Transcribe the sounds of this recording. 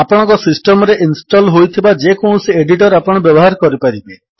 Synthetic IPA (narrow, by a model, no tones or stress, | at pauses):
apɔɽ̃ɔ̃ŋkɔsisʈɔmɔɾeʔinsʈɔlɦojt̪ʰibad͡ʒekõũsieɖiʈɔɾapɔɽ̃ɔbjɔbɔɦaɾɔkɔɾipaɾibe